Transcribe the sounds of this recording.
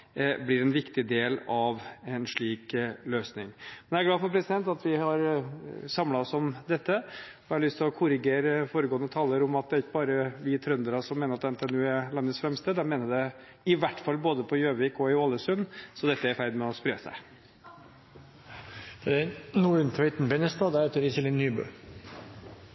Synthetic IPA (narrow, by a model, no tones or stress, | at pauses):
blɪɾɛnʋɪkt̪ɪd̪eːlɑʋɛnʂɭiːkløːsnɪ̰ŋmɛnææɾɡlɑːfɔɾpʰɾɛsɪd̪ɛnt̪ɑt̪ʋɪhɑɾsɑmlɑɔsɔmd̪ɛt̪ːə | ɪhɑɭʏst̪ʰɪlɔkʰʊɾɪɡeːɾəfoːɾəɡoːənːət̪ʰɑlːəɾʊmɑt̪̚d̪ɛɾɪkːəbɑːɾəʋɪt̪ʰɾœnd̪əɾɑsɔmeːnəɾɑt̪d̪ɛnt̪ɛnuːæɾlɑnd̪əsfɾɛmst̪əd̪ɛmeːnəd̪ɛ | ɪʋæʈːfɑlboːd̪əpʰɔjøːʋɪkɔɪoːlːəsʉnːsɔd̪ɛt̪ːəæɾfæɾd̪mɛɔspɾeːsæ̰ɪ | d̪̥ɛɛnuːəʉnt̪ʰɛɪt̪n̩bɛnəst̪ɑːd̪æɾɛːt̪əɾɪsɛlɪnːyːbø̰ː